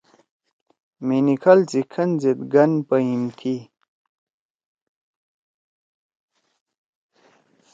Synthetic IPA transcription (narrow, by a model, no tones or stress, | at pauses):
minikʰɐlt͡sikʰɐnzit̪̚ɡɐnpəimkʰi